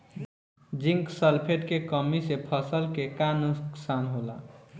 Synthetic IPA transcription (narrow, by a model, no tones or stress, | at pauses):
d͡ʒiŋksəlpʰeʈkekəmisepʰəsəlkekanuksanɦola̰